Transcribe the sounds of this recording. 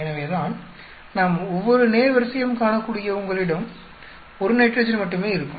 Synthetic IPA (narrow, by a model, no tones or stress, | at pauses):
ɛnɐʋeːðaːn | naːmɔʋːɔɾɯneːɾʋɐɾsɐjɐmkaːnɐkːuːɽɪjɐʊŋɡɐɭɪɽɐm | ɔɾɯnɛʈːɾɐd͡ʒɐnmɐʈːɯmeːɪɾɯkːɯ̃